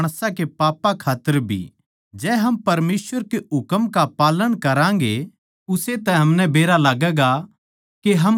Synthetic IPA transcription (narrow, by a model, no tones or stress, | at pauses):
ɽ̃sakepaːpakʰaːt̪ːəɾbʱḭ | d͡ʒɛːɦɐmpɐɾmeːsʋəɾkeɦʊkəmkapaːləɽ̃kɐɾãːŋɡe | ʊset̪ɛ̃ɦɐmnɛbeːɾalaːɡɛɡa | keɦɐm